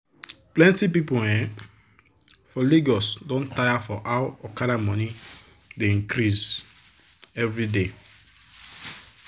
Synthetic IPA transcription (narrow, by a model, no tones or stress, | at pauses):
plɛ̃ntipiponɛ̃ | fɔliɡɔsdõntajafɔʔaʊɔkaɾamɔ̃ni | deĩŋkɾis | ɛvɾide